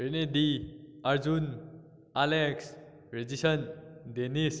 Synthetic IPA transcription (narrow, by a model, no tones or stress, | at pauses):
ɦeɾned̪iaɾd͡zun | aleks | ɾed͡zisʌnd̪enis